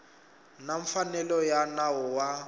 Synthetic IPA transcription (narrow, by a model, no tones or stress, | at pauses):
naɱfanɛlɔjanaɔwa